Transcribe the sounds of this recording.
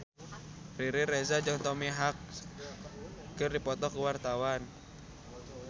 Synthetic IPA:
riɾɪrɛzad͡ʒaŋt̪ɔmiɦak̚ | kərdipɔt̪ɔkəwart̪awan

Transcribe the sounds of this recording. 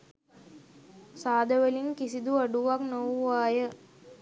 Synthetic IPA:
saːd̪əʋəliŋkisid̪uɐɖuʋaknowʋaːjə

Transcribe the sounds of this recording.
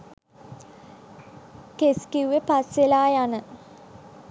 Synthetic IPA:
keskiwʋepasʋelaːjanə

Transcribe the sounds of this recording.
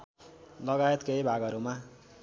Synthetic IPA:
lʌɡaet̪keibʱaɡʌɾuma

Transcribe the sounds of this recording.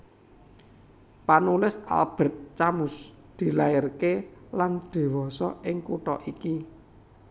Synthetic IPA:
panulɪsa̰lb̥ə̤t̪̚t͡ʃamʊs | d̪̥i̤laɪrkeland̪̥i̤wɔsɔɪŋkuʈɔ̰ʔiki

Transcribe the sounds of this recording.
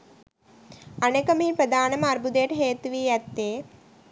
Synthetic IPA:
ɐnekɐmiːpɾɐd̪aːnɐmɐɾbud̪eːʈɦeːt̪uʋijɐt̪ːeː

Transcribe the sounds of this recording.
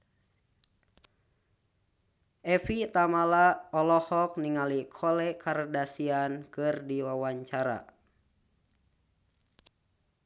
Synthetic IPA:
ʔɛfit̪amalaɔlɔhɔk̚niŋalikʰɔlɛkʰardasiankɨrdiwawaɲt͡ʃaɾa̰

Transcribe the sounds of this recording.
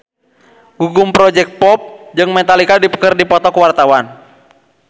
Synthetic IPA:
ɡuɡumpɾɔd͡ʒɛk̚t̪̚pɔp̚d͡ʒɨŋmɛt̪alikadipə̥kərdipɔt̪ɔkəwart̪awan

